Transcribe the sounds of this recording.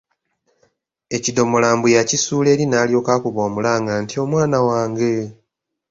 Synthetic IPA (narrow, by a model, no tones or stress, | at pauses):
e̞cido̞molaːmbujacisuːle̞ːɾinaːljo̞ːkaːkuβoːmulaːŋɡantio̞mwaːnawaːŋɡe̞